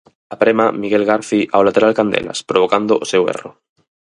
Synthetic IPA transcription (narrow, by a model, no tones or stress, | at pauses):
apɾemamiɣelɣaɾθiʔawlat̪eɾalkand̪ḛla̰spɾoβ̞okand̪oʔosewḛro